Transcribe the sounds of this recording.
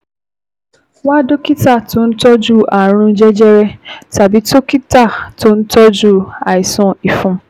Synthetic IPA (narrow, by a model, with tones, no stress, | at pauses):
wa˦do˦ki˦ta˦˨tʊ˦n̩˦tɔ˦d͡ʒu˦˨a˨ɾ̃ũ˦d͡ʒɛ˦d͡ʒɛ˦ɾɛ˦ta˨bi˦to˦ki˦ta˦˨to˦n̩˦tɔ˦d͡ʒu˦˨a˨ɪ˨sɔ̃˦˨i˨fũ˦